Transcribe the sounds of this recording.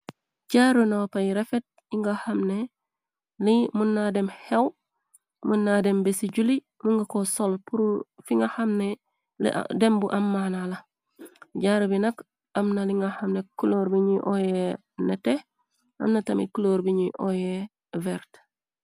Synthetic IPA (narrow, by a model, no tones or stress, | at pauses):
ɟaɾunawpajiɾefet̚ | iŋɡahamne | limunːademhew | munːadembesiɟuli | muŋɡakosolpuɾufiŋɡahamnḛ | dembuʔɐmːanalɐ | ɟaɾubinɐk | ɐmnaliŋɡahɐmnekuloːɾbiɲiʔoje | nete | ɐ̰mnɐtɐmḭt̚kuloːɾbiɲiʔoje | veɾt